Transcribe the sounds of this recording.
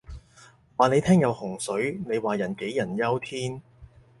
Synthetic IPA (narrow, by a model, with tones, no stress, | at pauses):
waː˨˩ne˨˧jt̪ʰɛː˥ŋjɐ˨˧whʊ˨˩ŋsɵ˨˥ɥne˨˧jwaː˨˩jɐ˨˩nke˨˥jjɐ˨˩njɐ˥wt̪ʰiː˥n